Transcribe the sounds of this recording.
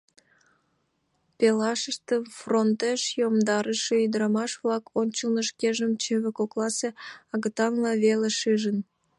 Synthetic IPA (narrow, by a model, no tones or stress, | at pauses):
pelɑʃəʃt̪əmfront̪eʃjomd̪ɑɾəʃeyd̪əɾɑmɑʃβlɑkʰonʲt͡ɕəlnəʃkeʒəmt͡ɕeβekoklɑseɑɣət̪ɑŋlɑβeleʃɨʒən